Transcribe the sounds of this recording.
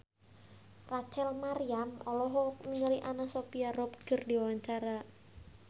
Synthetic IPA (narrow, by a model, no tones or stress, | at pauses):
rat͡ʃɛlmaɾiamɔlɔɦɔməŋəɾiʔanasopiarɔpɡ̥ə̤rdiwawaɲt͡ʃaɾa